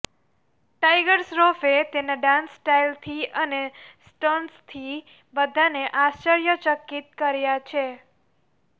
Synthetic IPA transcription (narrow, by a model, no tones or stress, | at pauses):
ʈajɡəɾsɾofet̪enaɖãnsʈailt̪ʰiʔənesʈonst̪ʰi | bəd̪ʱaneʔast͡ʃəɾjət͡ʃəkːit̪kəɾjat͡ʃʰe